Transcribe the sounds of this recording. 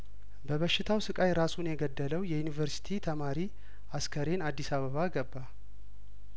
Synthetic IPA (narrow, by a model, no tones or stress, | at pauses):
bəβəʃːɪt̪ʰawsɨkʼajɾasunjɛɡəd̪ːələwjɛjunivəɾsi̥t̪ʰit̪ʰəmaɾi | askʰəɾe̞nad̪ːisaβəβaɡəbːa